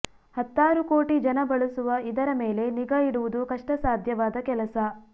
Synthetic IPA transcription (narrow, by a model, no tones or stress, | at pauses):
hɐt̪ːaːɾuko̞ːʈid͡ʒɐnɐbɐɭusuʋɐid̪ɐɾɐme̞ːle̞niɡɐiɽuʋud̪ukɐʂʈɐsaːd̪ʱjɐʋaːd̪ɐkɛlɐsɐ